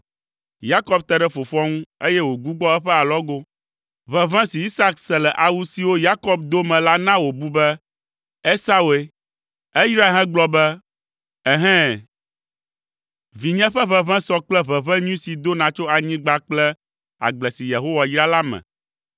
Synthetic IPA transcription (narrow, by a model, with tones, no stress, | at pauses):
ja˦kɔ˦bt̪ɛ˦ɖɛ˦fo˨fɔ˦ŋũ˦e˦jɛ˦wo˨ɡu˦ɡ͡bɔ˦ɛ˦ɸɛ˦a˨lɔ˦ɡo˦ | βɛ˨vɛ̃˦si˨i˦sa˦ksɛ˨lɛ˨ʔa˨wu˦si˨wo˦ja˦kɔ˦b̚d̪o˦mɛ̃˨la˦nã˦wo˨bu˦bɛ˦ | e˦sa˦we˦ | ɛ˦jɾa˦ɦɛ̃˦ɡ͡blɔ˦bɛ˦ | ɛ˦ɦɛ̃˦ | vi˨ɲɛ̃˦ɸɛ˦βɛ̃˦βɛ̃˦sɔ˦k͡plɛ˦βɛ˨βɛ̃˦ɲũ˦si˨d̪o˦nã˨t͡ʃo˦a˨ɲĩ˦ɡ͡ba˦k͡plɛ˦ | a̰˨ɡ͡blɛ˨si˨je˨ɦo˦wa˨jɾa˦la˦mɛ̰̃˨